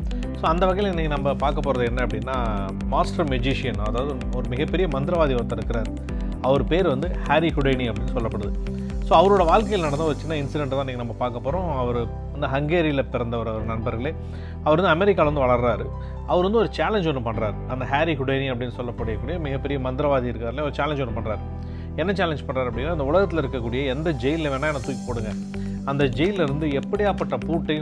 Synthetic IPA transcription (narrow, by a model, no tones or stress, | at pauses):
soːɐnd̪ɐʋɐɣɐɪlɛnːɛkːɪnɐmbɐpaːɾkɐpːoːɾɐðɯɛnːɐɐpːɐɽɪnːaː | maːsʈɐɾmɛd͡ʒiʂɪjɐnɐðaːʋɐðɯ | ɔɾɯmɪɣɐpːɛɾɪjɐmɐnd̪ɪɾɐʋaːðiɐt̪ːɪɾɯkːɪɾaːɾ | ɐʋɐɾɯpeːɾʋɐnd̪ɯhaːɾihʊɽɐɪniɐpːɐɽɪnːɯsɔlːɐpːɐɽɯðɯ | soːɐʋɐɾoːɽɐʋaːɭkɐjlnɐɽɐnːɐʋɐt͡ʃːɯnːaːɪnsɪɖɛɳʈt̪ãːɪnːiŋːɡɐnɐmːɐpaːɾkɐpːoːɾõːɐʋɐɾɯ | ʋɐnd̪ɯɦɐŋɡeːɾɪlɐpɪɾɐnd̪ɐɔɾɐɔɾɯnɐɳbɐɾɣɐɭeː | ɐʋɐɾɐnd̪ɯɐmɛɾɪkːaːlɐʋɐnd̪ɯʋɐɭɐɾɾaːɾɯ | ɐʋɐɾʋɐnd̪ɯɔɾɯt͡ʃaːlɛɲd͡ʒɔnːɯpɐɳːɾaːɾɐnd̪ɐɦaːɾiɦʊɽɐjniɐpːɐɽɪnːɯsɔlːɐpːɐɽɪjɐkːuːɽɪjɐmɪɣɐpːɛɾɪjɐmɐnd̪ɪɾɐʋaːðiɪɾɯkːaːɾleːɐʋɔɾɯt͡ʃaːlɛɲd͡ʒɔnːɯpɐɳɾaːɾ | ɛnːɐt͡ʃaːlɛɲd͡ʒpɐɳraːɾɐp̬ːɐɽɪnːaːɐɪnd̪ɐʊɭɐɣɐt̪ːɪlɐɪɾɯkːɐkːuːɽɪjɐɛnd̪ɐd͡ʒɛjɪlɪlɐʋeːnːaːɛnːɐt̪uːjkːpoːɽɯŋɡɐ | ɐnd̪ɐd͡ʒɛjɪllɐɾɯnd̪ɯɛpːɐɽɪjaːpɐʈːɐpuːʈːɐjʊ̃